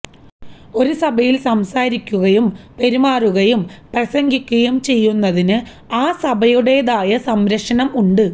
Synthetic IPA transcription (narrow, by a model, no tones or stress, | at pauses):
o̞ɾusɐbʱɐjilsɐmsaːɾikʲːuɣɐjumpe̞ɾimaːruɣɐjumprɐsɐŋɡikʲːɐjumt͡ɕe̞jːunːɐðinɨ | aːsɐbʱɐjuɽe̞ːðaːjɐsɐmɾɐkʂɐnɐmuɳɖɨ